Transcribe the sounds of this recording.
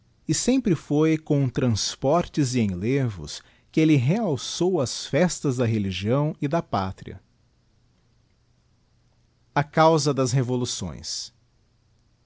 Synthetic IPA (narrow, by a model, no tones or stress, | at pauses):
ɪsẽmpɾɪfojkõw̃t̪ɾɐ̃spɔɾt͡ʃɪzɪẽlevʊ̰s | kɪelɪɦeawsowɐsfɛst̪ɐzd̪ɐɦeliʒiɐ̃w̃ɪd̪ɐpa̰t̪ɾiɐ̰ | ɐkawzɐd̪ɐzɦevolusõ̰j̃s